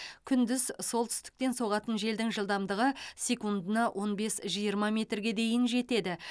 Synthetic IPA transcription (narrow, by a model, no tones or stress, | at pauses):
kʲʰʏnd̪ɪzso̞lˠt̪ʰʏ̥st̪ɪ̥k̚t̪e̞nso̞ʁɑt̪ənʒe̞ld̪ɪŋʒəlˠd̪ɑmd̪əʁəsʲe̞kund̪ənɑwʔo̞nbe̞sʒijəɾmɑmʲe̞t̪rɡʲe̞d̪e̞jɪnʒe̞t̪e̞d̪ɪ